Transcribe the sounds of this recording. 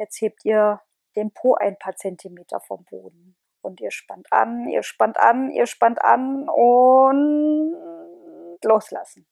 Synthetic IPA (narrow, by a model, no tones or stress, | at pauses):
jɛt͡stheːp̚tʰʔiːɐ | d̥eːnpʰoːʔaɪnpʰaːɐt͡sɛntʰimeːtʰɐ̰fɔ̰mbo̰ːdn̩ | ʔʊntiːɐʃpantʔa̰nḭːɐʃpantʔa̰nḭːɐʃpantʔa̰nʊn | tloːsla̰sn̩